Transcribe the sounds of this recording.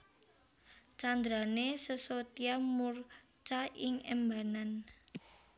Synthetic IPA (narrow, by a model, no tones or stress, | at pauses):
t͡ʃand̪ɾanesəsot̪iamur | t͡ʃaʔɪŋɛ̰mba̤nan